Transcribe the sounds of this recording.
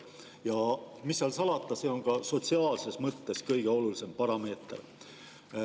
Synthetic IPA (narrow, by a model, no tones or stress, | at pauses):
jɑmisːɑlsɑlɑt̪ːˑɑse̞o̞nkɑso̞t̪siɑːlse̞smɤt̪ːe̞skɤjɡ̥e̞o̞lulise̞mpɑɾɑme̞ːt̪ˑr